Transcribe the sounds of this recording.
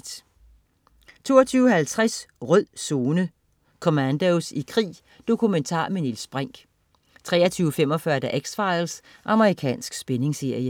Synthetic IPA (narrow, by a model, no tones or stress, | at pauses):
t͡sʰo̝̰ːɐt͡sʰyːʊhælt͡sʰʁasʁœð̰ˠsoːnə | kʰomænd̥oʊsikʰʁḭː | d̥o̝kʰument͡sʰɑ̰̈ːmenilsb̥ʁaŋ̰ɡ̥ | t͡sʰʁɛ̰ːɐt͡sʰyːʊfem̰ɒ̽fɶɐd̥æʔeɡ̥sfɑ̈ɪls | ʔɑ̈məʁikʰɛ̰ːnsɡ̥sb̥ene̝ŋse̝ɐ̰jə